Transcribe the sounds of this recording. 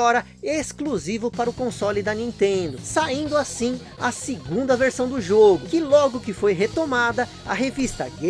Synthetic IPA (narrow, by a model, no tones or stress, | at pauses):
ɔɾɐ | eskluzivʊpaɾʊkõsɔlɪd̪ɐnĩnt̪ẽd̪ʊsaĩnd̪ʊasĩ | ɐsɪɡũd̪ɐveɾsɐ̃w̃d̪ʊʒoɡʊkɪlɔɡʊkɪfojɦet̪omad̪ɐ | ɐɦevist̪ɐɡe